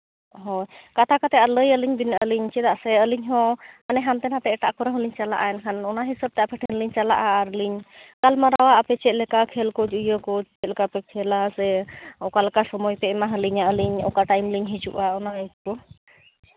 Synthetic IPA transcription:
ɦɔjkat̪ʰakat̪ɛaləjəliɲbinʔəliɲt͡ʃɛd̪aʔsɛəliɲɦɔ̃anɛɦamt̪ɛnat̪ɛɛʈaʔkɔɾaɦəliɲt͡ʃala̰ʔaɛnkʰanɔnaɦisəb̚t̪ɛapɛʈʰɛnliɲt͡ʃala̰ʔaːɾliɲkalmaɾawaʔapɛt͡ʃɛt̪̚lɛkakʰɛlkɔd͡ʒujəkɔt͡ʃɛt̪̚lɛkapɛkʰɛlasɛɔkalɛkasɔmɔjpɛʔɛmaɦəliɲaəliɲɔ̰kaʈajmliɲɦit͡ʃṵʔaɔnaitkɔ

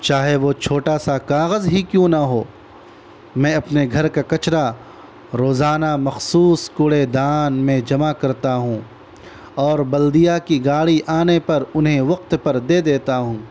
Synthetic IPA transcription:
t͡ʃaːɦeʋot͡ʃʰoːʈasakaːɣəzɦikjũnaɦoː | mɛ̃ːɐpneɡʱɐɾkakɐt͡ʃɾa | ɾoːzaːnamɐxsuːskʊɽed̪aːnmẽd͡ʒɐmakɐɾt̪aɦũː | ɔːɾbɐld̪ijakiɡaːɽiʔaːnepɐɾʊnɦẽʋɐq̚t̪pɐɾd̪eːd̪eːt̪aɦũː

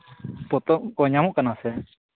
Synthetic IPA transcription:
pɔt̪ɔʔkɔɲamɔ̃ʔkanasɛ

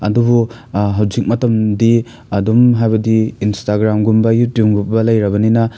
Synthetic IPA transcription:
ɐdubu | ɦɐwd͡ʒik̚mɐtɐmdi | ɐdumɦajbɐdiːnstaɡɾamɡumbɐjutjupɡup̚bɐlɐjɾɐbɐninɐ

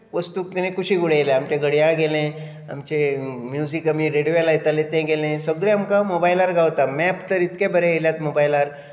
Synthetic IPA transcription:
ʋəst̪uk̚t̪anekuɕiːɡuɽeleamt͡ɕeɡʱəɽjaɡelẽ | a̰mt͡ɕemjud͡zikamiɾeɽjojalait̪alẽt̪ẽɡelẽsəɡɭeamkamobajlaɾɡʱawt̪amɛpt̪əɾit̪kebəɾeɦeljat̪mobajlaɾ

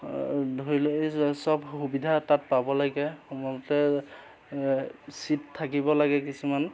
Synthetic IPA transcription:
dʱoɹilosɔbxubidʱatat̚pabɔlaɡɛxɔmɔlɔtɛ | sittʰːakibɔlaɡɛkisuman

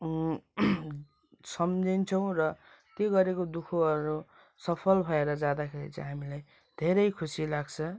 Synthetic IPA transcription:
sʌmd͡zʱint͡sʰʌw̃rʌ | t̪joɡʌɾekod̪ukʰoʌɾu | sʌpʰʌlbʱʌeɾʌd͡zãd̪akʰeɾḭt͡sʌ̰jɦamilaj | d̪ʱeɾʌjkʰusilaɡt͡sʰʌ

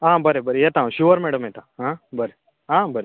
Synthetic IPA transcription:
ɦãbəɾebəɾejet̪ãːũɕuʋəɾmɛɽəmɦet̪aɦãbəɾe | ɦãbəɾe

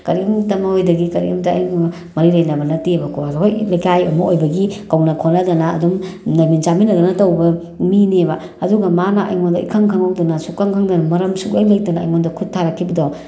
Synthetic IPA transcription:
kɐɾiumtɐmɐojdɐɡikɐɾḭumtɐːj | mɐɾilɐjnɐbɐnɐtibɐkʰoazhojlajkajojmɐojbɐɡikɐwnɐkʰonɐdɐnɐ̰ːdumnɐminzaminɐdɐnɐtɐwbɐ | minebɐ | ɐduɡɐmanɐɐ̰jŋondɐḭkʰɐŋkʰɐŋɐwdɐnɐsukːaŋkʰaŋdɐnɐmɐɾɐmsukɐjlɐjtɐna̰ːjŋondɐkʰutʰːaɾɐkʰːibɐdo

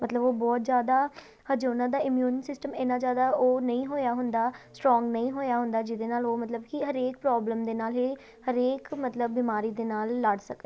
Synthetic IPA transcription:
mət̪ləboːbɔːt̪̚zjaːd̪aː | həd͡ʒoːnãːd̪aːɪmjuːnsɪsʈəmɪnãːd͡ʒjaːd̪aːʔoːnəĩːɦoːjaːɦʊnd̪aːsʈɾɔ̃ːŋɡnəĩːɦoːjaːɦʊnd̪aːd͡ʒɪd̪eːnaːloːmət̪ləbkɪɦəɾeːk̚pɾɔːbləmd̪eːnaːlɦeː | həɾeːkmət̪ləbːiːmaːɾiːd̪eːnaːlːəɖsək̪e

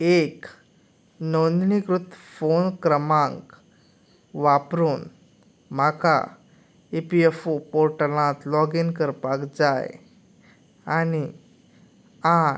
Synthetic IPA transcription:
ek | nond̪nikɾut̪fonkɾəmãŋk | ʋapɾuːn | m̤akʰa̰ | epiefopoɾʈəlãt̪lɔɡinkəɾpakd͡zaj | ani | a

